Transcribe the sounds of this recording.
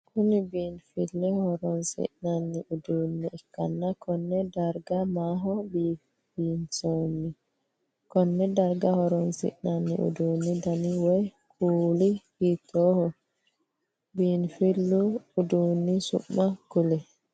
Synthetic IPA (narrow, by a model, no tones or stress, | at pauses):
kunibinfilːɛhɔɾɔnsḭʔnanːiʔudunːiɛkːa̰nːakɔnːɛdaɾɡamaɦɔbi | binsonːi | kɔnːɛdaɾɡahɔɾɔnsḭʔnanːḭʔṵduːnːidaniwɔj | kʰulihitʰɔhɔ | binfilːuudunːisṵmːakulɛ